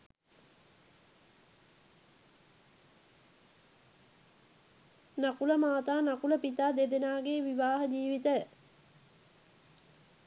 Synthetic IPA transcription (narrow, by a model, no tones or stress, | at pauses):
nakuləmaːt̪aːnakuləpit̪aːd̪ed̪enaːɡeːʋiʋaːɦəd͡ʒiːʋit̪ə